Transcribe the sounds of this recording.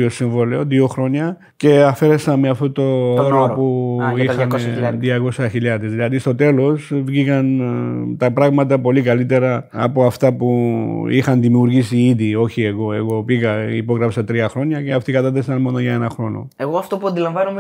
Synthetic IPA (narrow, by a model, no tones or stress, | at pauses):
osiɱvo̞leoðio̞xɾo̞ɲɐ | ce̞ɐfe̞ɾe̞sɐnmeɐft̪ot̪ooɾopuixɐnðiɐko̞sɐçiʎɐðezðilɐðist̪o̞t̪e̞lo̞svʝikɐnt̪ɐpɾɐɣmɐt̪ɐpo̞likɐlit̪e̞ɾɐ̰ːpo̞ɐft̪ɐpuixɐnðimiuɾʝisiiðio̞çie̞ɣo̞e̞ɣo̞piɣɐḭpo̞ɣɾɐfsɐt̪ɾiɐxɾo̞ɲɐce̞ɐft̪ikɐt̪ɐθesɐnmo̞no̞ʝɐe̞nɐxɾo̞no̰eɣoɐft̪opuɐnd̪ilɐɱvɐnume